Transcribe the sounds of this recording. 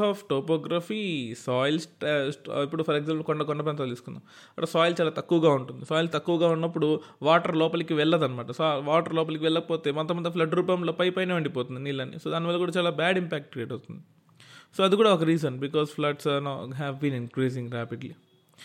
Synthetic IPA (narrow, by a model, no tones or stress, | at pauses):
aːfʈoːpɔːɡɾafiːsɔːjlsʈsʈipːuɽupʰɐɾeɡzaːmplukɔɳɖɐkɔɳɖɐpaːnt̪ɐd̪iːsu̥kund̪aːm | ɐɐsɔːjlt͡ʃaːlaːt̪ɐkːuʋɐɡaːuɳʈund̪isaːjilt̪ɐkːuʋɐɡaːunːɐpːuɽuʋaːʈɐɾlɔːpɐlɐkiʋɛɭːɐd̪ɐnːɐmaːʈɐsoʋaːʈɐɾlɔːp̬ɐlɐkiʋɛɭːɐɐpoːt̪e̞ːmɐnt̪ːɐmɐnd̪ɐpʰlɐɖɾuːpɐmloːpɐjpɐjneʋɐɳɖipo̞ːt̪und̪iniːlːɐnːḭsoːd̪aːniʋɐlːɐkuːɽaːt͡ʃaːlaːbæːɖimpæːk̚ʈ̚kɾɛjɐʈɐwt̪und̪i | soːɐd̪ikuːɽaːɔkɐɾiːzɐnbikɔːspʰlɐʈsnoɦɛʋbiːninkɾiːs̬iŋɡɾaːpiɖli